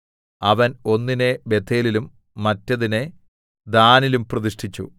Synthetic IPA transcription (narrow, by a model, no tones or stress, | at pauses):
ɐʋɐno̞nːinebe̞t̪ʰeːlilumː | ɐtːɐðine | d̪aːnilumprɐðiʂʈʰit͡ɕːṵ